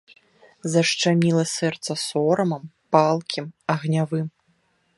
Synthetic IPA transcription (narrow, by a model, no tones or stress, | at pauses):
zɐʂt͡ʂamʲilˠɐsɛrt̪sɐsɔɾɐmɐmpalˠkʲʰimɐɣnʲavɨm